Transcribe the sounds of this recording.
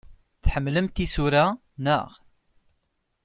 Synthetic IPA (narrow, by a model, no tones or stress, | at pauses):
θħəmːləmt̪isuɾa | nə̰ʁ